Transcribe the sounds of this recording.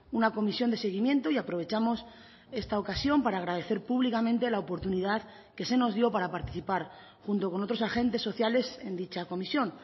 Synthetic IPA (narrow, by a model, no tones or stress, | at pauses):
unako̞misjo̞nd̪e̞se̞ɣ̞imje̞nt̪oiapɾo̞βe̞t͡ʃamo̞s | e̞st̪ao̞kasjo̞mpaɾaːɣɾað̞e̞θe̞ɾpuβlikamẽ̞nt̪e̞laopo̞ɾt̪uniðað | ke̞se̞no̞zðjo̞paɾapaɾt̪i̥θipaɾ | xunt̪o̞ko̞no̞t̪ɾo̞saxẽ̞nt̪e̞sːo̞θjale̞se̞nd̪it͡ʃako̞misjo̞n